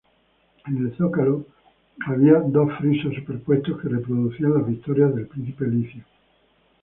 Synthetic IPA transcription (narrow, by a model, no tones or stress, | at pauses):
ene̞lθokalo | aβ̞iad̪o̞sfɾisosupeɾpwe̞st̪oske̞repɾoðuθianlaβik̚t̪oɾjazðe̞lpɾĩn̟θipeliθjo